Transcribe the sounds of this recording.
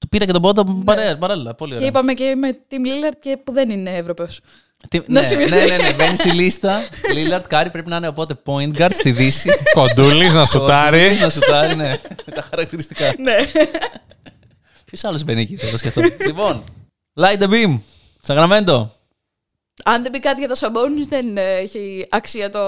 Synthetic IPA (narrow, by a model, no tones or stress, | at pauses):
t̪u̥piɾɐcet̪obo̞d̪opɐɾepɐɾɐlilɐpo̞lioɾeipɐmecemet̪imlilɐɾd̪̚cepuðenineevɾopeos | t̪imnɐemnenenevenist̪ilist̪ɐlilɐɾt̪kɐɾipɾe̞pinɐineopo̞t̪e̞po̞int̪ɡɐɾd̪st̪iðisikond̪ulisnɐsot̪ɐɾisnɐsut̪ɐɾine̞t̪ɐxɐɾɐk̚t̪iɾist̪ikɐne | pçosɐlozvenicit̪ɐt̪ɐsceft̪oivon | lɐjd̪ebim | sɐɣɾɐme̞nd̪o̞ | ɐnðe̞bikɐt̪iʝɐt̪ɐsɐbonizðeneçeɐksiɐt̪o